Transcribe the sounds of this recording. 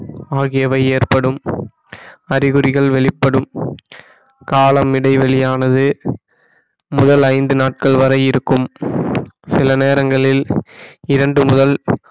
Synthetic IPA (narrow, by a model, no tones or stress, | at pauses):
aːɣɪjɐʋɐɪeːrpɐɽɯm | ɐɾɪɣɯɾɪɣɐɭʋɛɭɪpːɐɽɯm | kaːlɐmɪɽɐɪʋɛɭɪjaːnɐðɯ | mʊðɐlɐɪnd̪ɯnaːʈ̚kɐɭʋɐɾɐɪɪɾɯkːɯm | sɪlɐneːɾɐŋɡɐɭɪl | ɪɾɐɳɖɯmʊðɐl